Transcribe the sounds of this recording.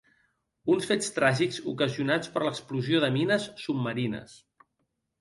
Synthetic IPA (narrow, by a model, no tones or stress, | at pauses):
unsfet͡st̪ɾaʒikzukəziunat͡spəɾləkspluzioðəminəsːub̚məɾinə̰s